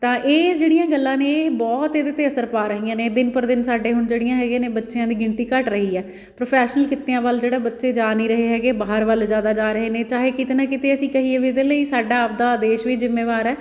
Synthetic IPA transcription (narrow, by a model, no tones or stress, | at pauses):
t̪ãːʔeːd͡ʒeːɽijãːɡəlːãːnẽːbɔːt̪eːd̪eːt̪eːəsəɾpaːɾəɦiːãːneːd̪ɪnpəɾd̪ɪnsaːɖeːɦʊɳd͡ʒeːɽɪjãːɦɛːɡẽːneːbətːʃeãːd̪iːɡɪɳt̪iːkəʈɾəɦiːɛː | pɾoːpʰɛːʃnəlkɪt̪ːeãːʋəld͡ʒeːɽaːbətːʃeːd͡ʒaːniːɾəɦeːɦɛːɡeːbaːɦəɾʋəld͡ʒjaːd̪aːd͡ʒaːɾəɦeːnẽːt͡ʃaːɦeːkɪt̪eːnãːkɪt̪eːəsĩːkəɦiːeːʋied̪eːləiːsaːɖaːp̚d̪aːd̪eːʃʋiːd͡ʒɪmːeːʋaːɾɛː